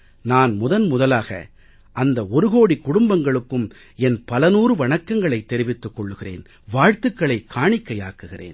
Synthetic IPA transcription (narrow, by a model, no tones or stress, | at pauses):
naːnmʊðɐnmʊðɐlaːɣɐ̰ | ʔɐnd̪ɐɔɾɯɣoːɽikːʊɽʊmbɐŋɡɐɭɯkːɯm | ɛnpɐlɐnuːrɯʋɐɳɐkːɐŋɡɐɭɐɪt̪ːɛɾɪʋɪt̪ːɯkːɔɭːɯɣɪrḛːn | ʋaːɻt̪ɯkːɐɭɐɪkʰːaːɳɪkːɐjaːkːɯɣɪrḛːn